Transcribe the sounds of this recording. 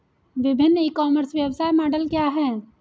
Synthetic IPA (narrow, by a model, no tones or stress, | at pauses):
ʋɪbʱɪnːəikɔːməɾsʋjəwsaːjmɔːɖəlkjaɦɛː